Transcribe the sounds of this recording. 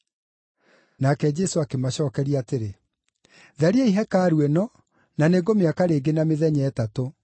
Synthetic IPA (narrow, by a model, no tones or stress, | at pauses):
nakɛd͡ʑɛsoakemaɕɔːkɛɾiaːteɾe | ðaɾiɛiɦɛkaːɾuɛnɔ | naneɡomeakaɾeːɡenameðɛɲɛːtato